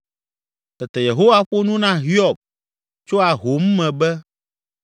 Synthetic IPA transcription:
t̪ɛ˨t̪ɛ˨je˨ɦo˦wa˦ɸo˦nũ˦nã˦ɦi˦ɔ˨b̚ | t͡ʃo˦a˨ɦo˨˦m̩ː˦ɛ̃˨bɛ˦

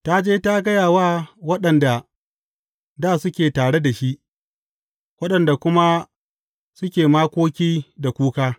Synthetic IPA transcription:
ta˦d͡ʒeː˦ta˦ɡɐ˦jaː˨waː˦wɐ˦ɗɐ˨nda˨ | daː˦˨sʊ˦kʲeː˨taː˨ɽe˦da˨ʃi˦ʔ | wɐ˦ɗɐ˨nda˨kʷʊ˦ma˦ | sʊ˦kʲeː˨maː˦kʷoː˦kʲiː˦da˨kʷuː˦kaː˦

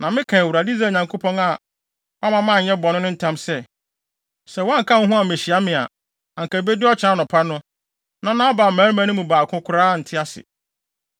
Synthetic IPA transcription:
nã˨mɪ̃˦kʰã˨wɾa˨di˦za˦˨ɲã˨ŋkʰo˦pʰɔ̃˦na˨ | wa˦mã˨mã˦˨ɲɛ̃˦bɔ˨nʊ̃˦nʊ̃˦n̩˦tʰã˦msɛ˦ | sɛ˨wɔ̃˦ŋ̩˨kʰã˦ŋ̩˦ɦũ˦a˨me˨ɕi˨a˦mɪ̃˨a̰˨ | ã˨ŋ˨ka˨be˦dɪ˦ɔ˦t͡ɕʰa˨˦nʊ̃˨pʰa˦nʊ̃˦ | nã˦nã˦a˦baː˨mæ̃ː˨˦mã˦nʊ̃˦mũ˨baː˨kʰʊ̃˦kʷʰʊ˦ɾaː˦n̩˨tʰɪ˦a˦sɪ̰˨

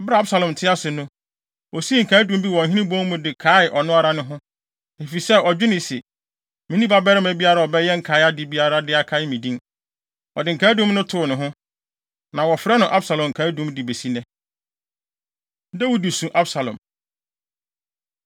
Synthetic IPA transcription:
bɾa˨˦a˦bsa˨lɔ̃˨m˨tʰɪ˦a˦sʊ˨nʊ̃˦ | ɔ˨si˦ŋ̩˨kʰa˨˦dũ˨m˦bi˦wɔ̃˨ŋ̩˨ɦĩ˦nĩ˦bɔ̃˦ŋ˦mʊ̃˨dɪ˨kʰa˨˦ɪ˨ʔɔ˨nʊ̃˦a˦ɾa˦nʊ̃˦ɦʊ̃˦ | e˨fi˨sɛ˦ɔ˨d͡ʑᶣʊ˦nɪ̃˨sɛ˨ | mĩ˨nĩ˦ba˦bɛ˦ɾɪ˦mæ˨bi˦a˦ɾa˨ɔ˨bɛ˦jɛ˦ŋ̩˨kʰa˨˦a˦dɪ˨bi˦a˦ɾa˦dɪ˦a˨kʰa˦ɪ˦mĩ˨dĩ˦n | ɔ̰˨dɪ˨ŋ̩˨kʰaː˨˦dũ˦mnʊ̃˦tʰʊ˨nʊ̃˨ɦʊ̃˦ | nã˨wɔ˨fɾɛ˦nʊ̃˨ʔa˦bsa˨lɔ̃˨ŋ̩˨kʰaː˨˦dũ˦mdɪ˨be˨si˦nɛ̃˦ | dɛ˦wu˦di˨sũ˨ʔa˦bsa˨lɔ̰̃˨m

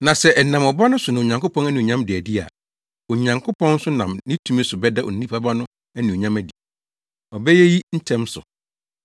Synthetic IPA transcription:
nã˨sɛ˦ʔɛ˨nã˨mɔ˨ba˦nʊ̃˦sʊ˨nã˨ɲã˨ŋkʊ˦pʰɔ̃˦næ˦nĩ˨ɲã˦mdɪ˨æ˨di˦a̰˨ | o˨ɲã˨ŋkʰʊ˦pʰɔ̃˦n̩˦sʊ˦nã˨mnɪ̃˦tʰũ˦mĩ˦sʊ˨bɛ˦da˦ʔɔ̰˨n̩˨nĩ˦pʰa˦ba˦nʊ̃˦ | æ˦nĩ˨o˨ɲã˦mæ˨di˨ | ɔ˨bɛ˦jɛ˦ji˦n̩˦tʰɛ̃˦msʊ̰˨

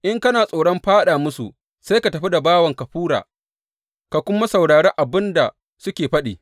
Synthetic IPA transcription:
ʔɪ˦ŋkɐ˦naː˨sʼoː˨ɽɔ˦mɸaː˦ɗaː˨mʊ˦su˨ | sa˦jka˨tɐ˨ɸi˦da˨baː˦wɐ˨ŋkɐ˨ɸuː˦ɽa̰ː˨ | ka˨kʷʊ˦ma˦sa˨wɽaː˨ɽɛ˦ŋʔa˨bɪ˦nda˨ | sʊ˦kʲeː˨ɸɐ˦ɗḭː˨

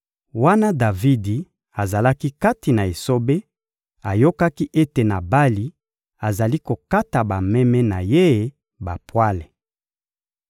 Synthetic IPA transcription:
wa˦na˦da˨vi˦di˨ | a˨za˨la˦ki˦ka˦ti˨na˨e˨so˦be˦ | a˨jo˦ka˦ki˦ʔe˦te˨na˨ba˦li˨ | a˨za˨li˦ko˨ka˦ta˨ba˨mɛ˦mɛ˦na˨je˦˨˦ | ba˨pwa˦le˨

